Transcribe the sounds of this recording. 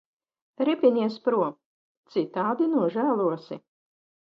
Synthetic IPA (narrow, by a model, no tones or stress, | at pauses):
ɾipʲinʲiɛspɾuɔ | t̪sit̪aːd̪inuɔʒæːlˠuɔsi